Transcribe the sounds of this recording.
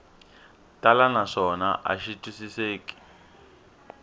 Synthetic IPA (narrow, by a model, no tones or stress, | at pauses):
tʼalanaʂɔnaʔa̰ʃitʼusiseːkʼi̥